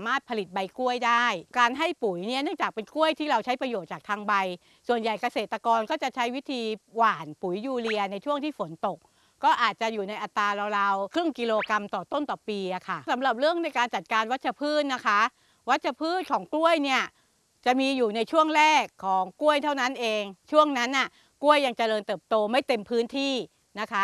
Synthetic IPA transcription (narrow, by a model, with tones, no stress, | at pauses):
a˩˦maː˥˩t̪̚pʰa˧li˨˩t̪̚ba˧jku˥˩əjdaː˥˩jkaː˧nɦa˥˩jpu˨˩˦jni˥˩ɐnɯ˥˩əŋt͡ɕaː˨˩k̚pe˧nku˥˩əjt̪ʰiː˥˩ɾa˧wt͡ɕʰa˦˥jpɾa˧joː˨˩t̪̚t͡ɕaː˨˩k̚t̪ʰaː˧ŋba˧j | su˨˩ənja˨˩jka˧seː˨˩t̪ːa˧kɔː˧nkɔː˥˩t͡ɕa˨˩t͡ɕʰa˦˥jwi˦˥t̪ʰiː˧waː˨˩npu˩˦jjuː˧li˧ɐna˧jt͡ɕʰu˥˩əŋt̪ʰiː˥˩fo˩˦nt̪o˨˩k̚ | kɔː˥˩ʔaː˨˩t̪̚t͡ɕa˨˩ʔjuː˨˩na˧jʔa˧t̪ɾaː˧ɾa˧wɾaː˧wkʰɾɯ˥˩ŋki˧loː˧ka˧mt̪ɔː˨˩t̪o˥˩nt̪ɔː˨˩piː˧ʔa˨˩kʰa˥˩sa˩˦mɾa˨˩p̬̚ɾɯ˥˩əŋna˧jkaː˧nt͡ɕa˨˩t̪̚kaː˧nwa˦˥t̪̚t͡ɕʰa˧˩pʰɯː˥˩t̪̚na˦˥kʰa˦˥ | wa˦˥t̪̚t͡ɕʰa˧˩pʰɯː˥˩t̪̚kʰɔː˩˦ŋklu˥˩əjni˥˩ɐ | t͡ɕa˨˩miː˧juː˨˩na˧jt͡ɕʰu˥˩əŋɾɛː˥˩kʰːɔː˩˦ŋku˥˩əjt̪ʰa˥˩wna˦˥nʔeː˧ŋt͡ɕʰu˥˩əŋna˦˥nʔa˥˩ | ku˥˩əjːa˧ŋt͡ɕa˧ɾɤː˧nt̪ɤː˨˩p̚t̪oː˧ma˥˩jt̪e˧mpʰɯː˦˥nt̪ʰiː˥˩ | na˦˥kʰa˦˥